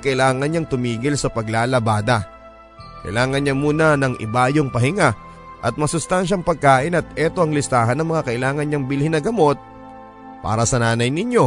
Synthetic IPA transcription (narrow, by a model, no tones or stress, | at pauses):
kɐʔɪlaːŋɐnɲɐŋt̪ʊmiːɡɪlsɐpɐɡlaːlɐbaːd̪ɐ | kɐʔɪlaːŋɐnɲamuːnɐnɐŋʔɪ̰baːjoŋpɐhɪŋa | ʔɐt̪̚mɐsʊst̪anʃɐŋpɐɡ̚kaːʔɪnɐt̪̚ʔɛt̪o̞ʔɐŋlɪst̪aːɦɐnɐŋmɐŋakɐʔɪlaːŋɐnɲɐŋbɪlhɪnɐɡɐmo̞t̪̚ | pa̰ːɾɐsɐnaːnɐjnɪɲjo̞